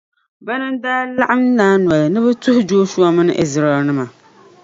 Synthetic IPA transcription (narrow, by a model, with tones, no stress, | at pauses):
bɛ˦nɨ˦m˦daː˦la˦ʔa˦m˦naː˦nwɔ˨lɨ˨nɨ˦bɨ˦tʊ˦hʊ˦d͡ʒoː˦ʃu˦ɔ˦mɨ˦nɨ˦ʔɪ˨zɾa˨ɛ˨lnɨ˦ma˨